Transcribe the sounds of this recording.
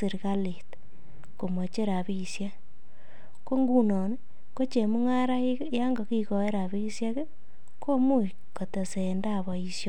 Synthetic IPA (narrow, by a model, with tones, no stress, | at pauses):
i˨ɾɣa˦li˨t | ko˨mo˨t͡ʃe˦ɾa˨βi˦sja˦ | ko˦ŋɡu˦nɔ˨ni˦ | ko˦t͡ʃe˨mu˦ŋa˦ɾa˦ | ja˦ŋɡo˨ki˦kɔ˨e˦ɾa˨βi˦sja˦ke˦ | ko˦mu˦i | ko˨te˨senda˦˨βɔ˨i˨sjo˦